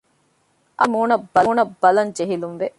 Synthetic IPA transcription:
ʔɐmuːnɐbːɐluːnɐbːɐlɐnd͡ʒeɦilumʋe

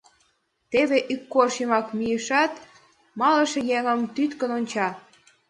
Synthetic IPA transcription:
t̪eβeʔykːorʃimɑkmijəʃɑt̪ | mɑləʃejeŋə̆mt̪yt̪kənonʲt͡ɕɑ

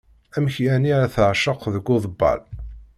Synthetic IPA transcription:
æmçjæniæθəʕʃəqːðəɡːʊðˤəbːɑ̰l

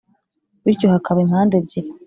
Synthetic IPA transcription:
βiɾco̞hakʰaβaimhaːndebɟiɾa

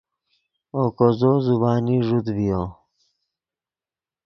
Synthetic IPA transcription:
okozozubaːniʐud̪vijo

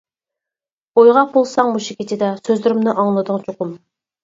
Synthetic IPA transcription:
ojʁɑq̚bolˠsɑŋmuʃɪkʲʰit̪ʰɪd̪ɛsøzlyɾɪmnɪʔɑŋlˠɨd̪ʊŋt͡ʃʰoqʊm

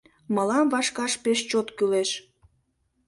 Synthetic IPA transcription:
məlɑmvɑʃkɑʃpeʃt͡ɕot̪kyleʃ

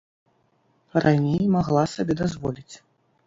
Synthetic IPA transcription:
rʔanʲejmaɣlˠasabʲɛd̪azvɔlʲit͡sʲ

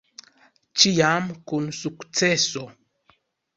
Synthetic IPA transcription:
t͡ʃijamkunsukt͡seso

